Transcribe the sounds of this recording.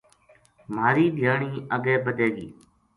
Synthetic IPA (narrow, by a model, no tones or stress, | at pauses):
maːɾiːd̪ʱɪjaːɳiːʔəɠeːbəɗ̪eːɡḭː